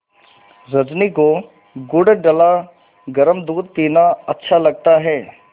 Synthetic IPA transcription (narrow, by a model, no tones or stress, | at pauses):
zɐd͡ʒniko | ɡʊɖɖɐla | ɡɐɾəmd̪uːd̪̚kiːnaɐtːʃʰalɐɡ̚t̪aɦɛː